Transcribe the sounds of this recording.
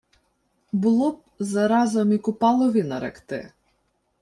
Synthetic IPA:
bʊlˠɔp̚ | zɐɾɑzɐmikʊpɑlˠɔʋʲinɐɾɛ̰kt̪ɪ̰

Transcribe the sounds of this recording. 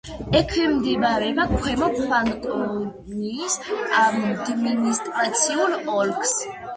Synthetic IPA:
ɛkʰwimd̪ivaɾɛbakʰwɛmɔpʰaŋt̪ʼɔ | nisad̪minist̪ʼɾat̪sʰiulɔlkʰs

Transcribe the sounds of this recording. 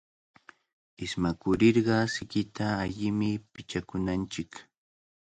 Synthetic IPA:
ɪsmakʊɾɪɾɢɑsɪkɪt̪aːʎɪmɪpɪt͡ʃakʊnant͡ʃɪk

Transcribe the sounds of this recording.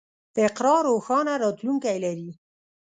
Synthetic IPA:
d̪̥əɪqɾɑɾoxɑnaɾɑt̪luŋkajlaɾi

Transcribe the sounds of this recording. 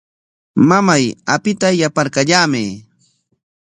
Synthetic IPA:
mamajapɪt̪ajapaɾkaʎaːmɪ

